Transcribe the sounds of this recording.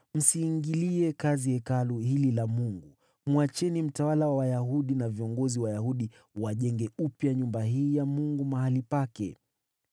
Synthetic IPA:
m̩siːŋɡiliɛkaziɛkaluhililamuŋɡu | mwat͡ʃɛnim̩tawalawawajaɦuɗinaviɔŋɡɔziwajahuɗi | waʄɛŋɡɛupjaɲumbaɦiːjamuŋɡumahalipakɛ̰

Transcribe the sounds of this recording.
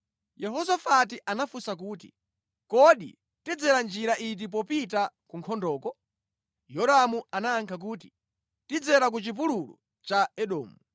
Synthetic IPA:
jɛɦɔsafat̬iʔanafusak̬uːtḭ | kɔɗḭ | tid͡zɛɾand͡ʒiɾaʔit̬ip̬ɔpitakuŋkʰɔndɔːkɔ | jɔɾamuanaːŋkʰak̬uːt̬i | tid͡zɛɾak̬ut͡ʃip̬ululṵ | t͡ʃaɛɗɔ̰ːmu

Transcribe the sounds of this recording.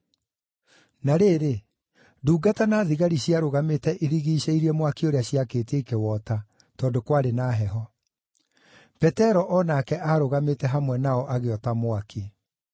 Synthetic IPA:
naɾeːɾe | duːɡatanaːðiɣaɾiɕiaɾoɣametɛʔeɾiɣiːɕeiɾiɛmwakioɾeaɕiakeːteːkewɔta | tɔːndokwaɾenaɦɛɦɔ | pɛtɛɾɔʔɔnakɛʔaɾoɣametɛɦamwɛnaɔʔaɣeɔtamwaki

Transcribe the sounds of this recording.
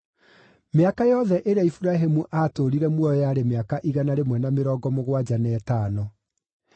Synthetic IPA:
meakajɔðɛʔeɾeaifuɾaɦemuʔatoɾiɾɛmwɔjɔjaːɾemeakaʔiɣanaɾemwɛnameɾɔːɡɔmoɣwad͡ʑanɛːtaːnɔ

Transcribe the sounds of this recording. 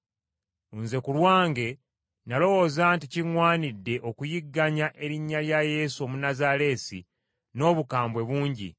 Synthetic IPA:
unze̞kulwaːŋɡe̞ | nalo̞wo̞zanticiŋwaːnidːe̞ʔo̞kujiɡːaɲaʔe̞ɾiɲːaljaje̞ːsuomunazaɾe̞sḭ | no̞βukaːmbwe̞βuːɲɟḭ

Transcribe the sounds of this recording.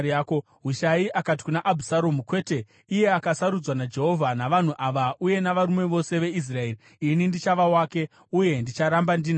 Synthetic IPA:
ako | ɦuʃaiʔakat̬i̥kunaʔabʱusaɾo̞mukwe̞ːte̞ | uje̞akasaɾud͡zwanad͡ʒe̞ɦo̞vʱanaʋan̤uʔaʋauje̞naʋaɾumwe̞ʋo̞se̞ʋe̞is̬raeːri | inindit͡ʃaʋawaːke̞ | uje̞ndit͡ʃaɾambandiːna

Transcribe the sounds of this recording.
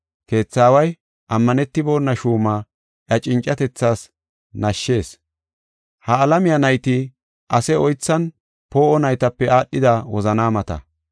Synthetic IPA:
ke̞ːt͡sːaːwɐj | ʔɐmːɐnɛt̪ːɪbo̞ːnːɐʃuːmaː | ʔɐt͡ʃʼɪnt͡ʃʼːɐt̪ɛt͡sːaːs | nɐʃːe̞ːs | hɐːlɐmɪjɐnɐjt̪ɪ | ʔɐsɛɔjt͡sːɐn | po̞ːʔɔnɐjt̪ɐpːɛaːɗːɪd̪awɔzɐnaːmɐt̪ɐ̰

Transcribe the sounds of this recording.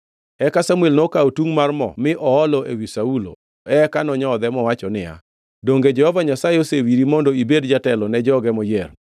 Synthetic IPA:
ɛkasamuelnɔkaotuŋmarmɔ̰mɪʔɔɔlɔʔewisaulo̰ | ɛkanɔɲɔd̪ɛmɔwat͡ʃɔnɪja̰ | doŋɡed͡ʒɛhɔvaɲasajeosewiɾimondɔibedd͡ʒatɛlɔnɛd͡ʒɔɡɛmɔjer

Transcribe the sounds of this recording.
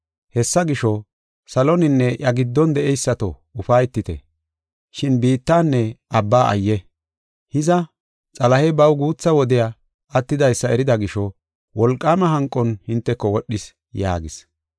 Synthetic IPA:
hɛsːɐɡɪʃɔ | sɐlɔnɪnːɛʔɐɡɪd̪ːɔnd̪ɛʔɛjsːɐt̪ɔ̰ | ʊfɐjt̪ːɪt̪ɛ̰ | ʃɪnbiːt̪ːaːnːɛʔɐbːaːʔɐ̰jːɛ | hɪzɐ | t͡sʼɐlɐhɛbɐwɡuːt͡sːɐwɔd̪ɪja | ɐt̪ːɪd̪ɐjsːɐɛɾɪd̪ɐɡɪʃɔ | wɔlkʼːaːmɐɦɐŋkʼːɔnhɪnt̪ːɛkːɔwɔɗːɪs | ja̰ːɡɪs

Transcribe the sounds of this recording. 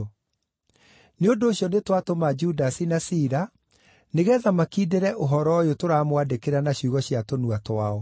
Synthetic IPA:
neondoːɕjɔnetwatomad͡ʒudasinasiːɾa | neɣɛːðamakiːdeɾɛʔoɦɔɾɔjotoɾaːmwadekeɾanaɕuɣɔɕjatonuatwaɔ

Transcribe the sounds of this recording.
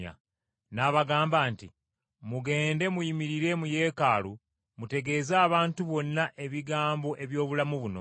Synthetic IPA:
a̰ | naβaɡaːmbaːnti | muɡe̞ːnde̞mujimiɾiɾe̞muje̞ːkaːlu | mute̞ɡe̞ːzaːβaːntuβo̞nːaʔe̞βiɡaːmbo̞ʔe̞βjo̞ːβulamuβuno̰

